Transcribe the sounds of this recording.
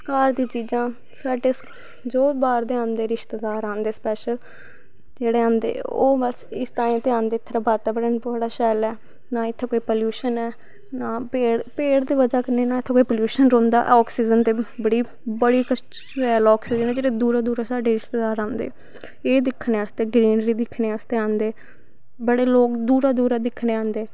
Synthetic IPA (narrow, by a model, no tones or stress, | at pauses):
kaːɾd̪iːt͡ʃiːd͡ʒãː | saːɖeːs | d͡ʒoːbaːɾd̪eːãːnd̪eːɾɪʃt̪eːd̪aːɾãːnd̪eːspɛːʃəl | d͡ʒeːɽeːãːnd̪ḛːo̰ːbəsɪst̪aːĩːt̪eãːnd̪eːɪt̪ʰːɾaːbʱaːt̪ɛːbəɽənbəɽaːʃɛːlɛː | nãːɪt̪ʰːeːkoːiːpoːljuːʃənɛː | naːpeːɽpeːɽd̪eːʋəd͡ʒaːkəɾneːnaːɪt̪ʰːkoːiːpoːljuːʃənɾɔ̃ːnd̪a̰ːʔɔːksiːd͡ʒənt̪eːbəɽiː | bəɽiːkə | ɛːlɔːksiːd͡ʒənɛːd͡ʒeːɽeːd̪uːɾaːd̪uːɾaːsaːɖeːɪst̪ed̪aːɾãːnd̪ḛː | eːd̪ɪkʰːneːaːst̪eːɡɾiːnɾiːd̪ɪkʰːneːaːst̪eːãːnd̪eː | bəɽeːloːkd̪uːɾaːd̪uːɾaːd̪ɪkʰneːãːnd̪eː